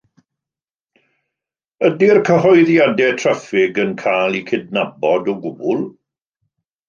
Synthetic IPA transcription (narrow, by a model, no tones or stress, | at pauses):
ədirkʰəɦɔjðjadɛtʰr̥əfɪɡənkʰaːlˠikʰɪd̚nabɔdɔɡʊbʊlˠ